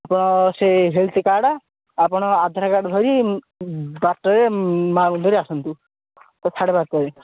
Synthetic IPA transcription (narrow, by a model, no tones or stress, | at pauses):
apɔɽ̃ɔseɦelt̪ikaɽa | apɔɽ̃ɔad̪ʱaɾakaɽbʱɔɾi | baʈːɔɾemaund̪ʱɔɾeasɔnt̪u | t̪ɔsʰaɽebat̪̚kɔɾe